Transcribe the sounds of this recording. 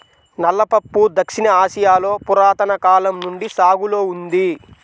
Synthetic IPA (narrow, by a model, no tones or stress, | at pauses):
nɐlːɐpɐpːud̪ɐkʂinɐaːʃijaːlo̞ːpuɾaːt̪ɐnɐkaːlɐmnuɳɖisaːɡuloːund̪i